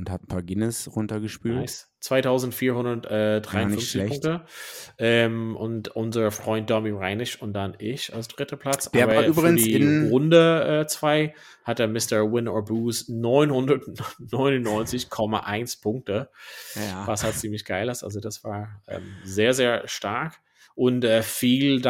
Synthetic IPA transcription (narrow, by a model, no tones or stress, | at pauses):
ʊnthatn̩pʰaːɐɡɪnəsʁʊntɐɡəʃpyːaɪs | t͡sv̥aɪtʰaʊzn̩tfiːɐhʊndɐtʔɛːd̥ʁaɪnnfʏft͡sɪʊŋktəʔɛːmʔʊntʔʊnzɐfʁ̥ɔʏnt̚d̥ɔmiʁaɪnɪʃʊnt̚d̥anʔɪça̰lsd̥ʁɪtəpʰl̥at͡sʔaːbɐːbɪːdiːʁʊndəʔɛːt͡sv̥aɪ | hatd̥amɪstəwɪnɔːbuːsnɔʏnhʊndɐtnɔʏnʊnnːɔʏnt͡sɪçkʰɔmaʔaɪnspʰʊŋk̚tə | vashalt͡siːmlɪçɡ̥aɪləsʔa̰lzodasv̥aːɐʔɛ̰ːmzeːɐzeːɐʃtaɐk | ʔʊntɛːfiːld